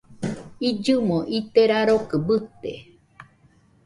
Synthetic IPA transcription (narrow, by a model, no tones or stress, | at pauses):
id͡ʒɨmõʔit̪eɾaɾokɨbɨt̪ḛ